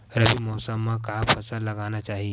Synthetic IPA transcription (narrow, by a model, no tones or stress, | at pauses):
ɾəbiːmɔsamːakapʰəsəɾləɡanjat͡ʃaɦi